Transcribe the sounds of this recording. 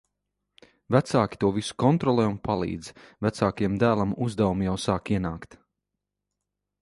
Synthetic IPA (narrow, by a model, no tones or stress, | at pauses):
væt̪saːkʲi̥t̪uɔvisu̥kɔnt̪ɾɔlˠɛːunpalˠḭːd̪z̥væt̪saːkajɛmd̪æːlˠamuzd̪ɛwumijawsaːkiɛnaːkt̪